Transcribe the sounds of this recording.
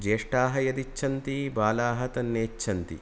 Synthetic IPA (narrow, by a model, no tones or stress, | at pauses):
d͡ʒeːʂʈaːɦɐjɐd̪it͡ʃʰːɐnt̪ibaːlaːɦɐt̪ɐnːeːt͡ʃʰːɐnt̪ḭ